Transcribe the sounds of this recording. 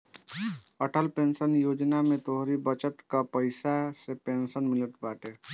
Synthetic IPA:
əʈʰəlpensənjoːd͡ʒnamet̪oɦɾibət͡ʃət̪kapəɪsasepensənmiləʈ̪baʈe

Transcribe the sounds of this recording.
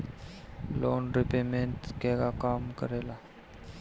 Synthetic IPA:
lonɾipemeɳʈkɛɡakamkəɾela

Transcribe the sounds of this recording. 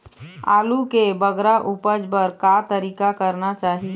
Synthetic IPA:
a̰ːlukebəɡɾaʔupəd͡ʒbəɾkat̪əɾiːkakəɾnat͡ʃaːɦi

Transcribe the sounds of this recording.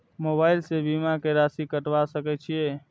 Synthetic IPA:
mobaɪlsebimakeɾasikəʈʋasəkɛt͡ʃʰije

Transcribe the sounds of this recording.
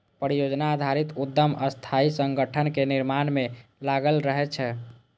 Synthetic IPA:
pɾijod͡ʒnaːd̪ʱaɾit̪ud̪ːəməst̪ʰaisəŋɡəʈʰənkeniɾmanmelaɡəlɾəɦɛt͡ʃʰɛ

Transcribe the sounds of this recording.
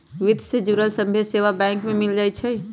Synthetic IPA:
ʋid̪ʱsed͡ʒuɾəlsəmbʱeseʋabɛ̃ŋkmẽmild͡ʒajt͡ʃʰɛ

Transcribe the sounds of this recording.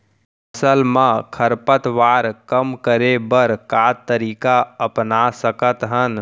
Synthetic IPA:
səlmãkʰəɾpət̪ʋaɾkəmkəɾebəɾkat̪əɾiːkaəpnasəkət̪ɦən

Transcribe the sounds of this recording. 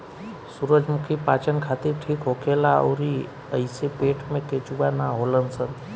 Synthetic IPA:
suɾəd͡ʒmʊkʰipaːt͡ʃənkʰaːt̪iɾʈʰiːkɦokʰelao̰ːɾi | əɪsepeːʈʰmẽket͡ʃuwanaɦolənsən

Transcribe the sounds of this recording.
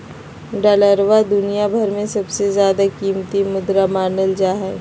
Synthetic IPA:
ɖaləɾʋad̪ʊnijabʱɐɾmẽsɐbsezjaːd̪akiːmt̪imʊd̪ɾamaːnəld͡ʒaːɦɛ

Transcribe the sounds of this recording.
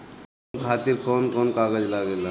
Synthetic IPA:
kʰaːt̪iɾkɔːnkɔnkaːɡəd͡ʒlaɡela

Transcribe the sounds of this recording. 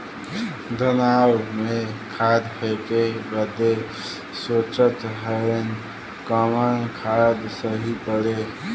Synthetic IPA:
d̪ənawmekʰad̪pʰekebəd̪e | sot͡ʃət̪ɦəen | kəməñkʰad̪səɦipəɽe

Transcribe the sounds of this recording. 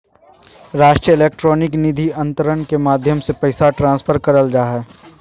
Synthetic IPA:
ɾaːʃʈɾijəeleːk̚ʈɾɔːnɪknɪd̪ʱiɐ̃nt̪əɾənkemaːd̪ʱjəmsepəɪsaʈɾãːnspʰəɾkɐɾəld͡ʒaːɦɛː

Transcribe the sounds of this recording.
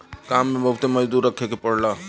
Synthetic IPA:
kamːebəɦut̪eməd͡ʒd̪uɾːəkʰekepəɽla

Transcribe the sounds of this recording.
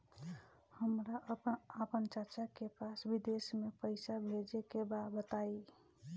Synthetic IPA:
həmɾaʔəpəpənt͡ʃət͡ʃakepasbid̪esmepəɪsabʱed͡ʒekebabət̪ai

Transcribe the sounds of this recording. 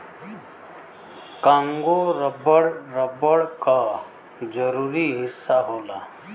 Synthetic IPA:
kãːŋɡoɾəbəɽɾəbəɽka | d͡ʒəɾuːɾiɦɪsːaɦoːlaː

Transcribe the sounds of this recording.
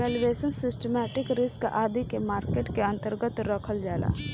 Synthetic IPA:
elʋeːsənsɪsʈəmɛːʈɪkɾɪskʔaːd̪ikemaːɾkeːʈkeɐ̃nt̪əɾɡət̪ɾɐkʰəld͡ʒaːla̰ː

